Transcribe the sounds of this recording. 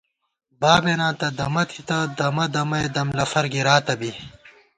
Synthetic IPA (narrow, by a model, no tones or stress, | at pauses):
baːbenãːt̪ɐd̪ɐmɐt̪ʰit̪ɐd̪ɐmɐd̪ɐmɐjd̪ɐmlɐfɐɾɡiɾaːt̪ɐbi